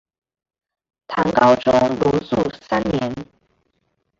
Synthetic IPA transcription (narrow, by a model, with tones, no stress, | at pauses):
t̪ʰɑ̰˧˥ŋkɑ˥ʊʈ͡ʂʊ˥ŋlu˧˥t͡su˥˩sa˥nnjɛ˧˥n